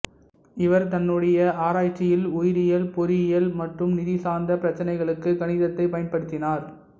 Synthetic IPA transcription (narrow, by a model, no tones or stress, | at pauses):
ɪʋɐɾt̪ɐnːɯɽɐjɐʔaːɾaːt͡ʃːɪjɪlʊjɪɾɪjɐlpɔɾɪɪjɐlmɐʈrɯmnɪðɪsaːnd̪ɐpɪɾɐt͡ʃːɐnɐɪɣɐɭɯkːɯkɐɳɪðɐt̪ːɐɪpɐjɐnpɐɽɯt̪ːɪnaːɾ